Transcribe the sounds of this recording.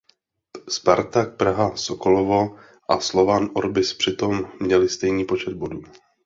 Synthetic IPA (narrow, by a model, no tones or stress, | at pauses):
spaɾt̪ak̚pɾaɦasokolovo | ʔaslo̞vanʔoɾbɪspr̝̥ɪt̪o̞mːɲɛlɪst̪ɛjɲiːpo̞t͡ʃɛd̪̚boduː